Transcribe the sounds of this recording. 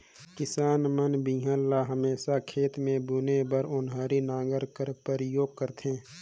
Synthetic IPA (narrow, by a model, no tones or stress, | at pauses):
kɪsaːnmənbĩːɦəlːaɦəmeːʃakʰeːt̪mẽbunebəɾʊnɦəːɾinãːɡəɾkəɾpəɾjoːɡ̚kəɾt̪ʰẽː